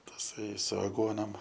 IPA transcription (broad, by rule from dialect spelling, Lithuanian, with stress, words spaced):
tɐˈsɐɪ sʊ ɐˈɡuɔnoːm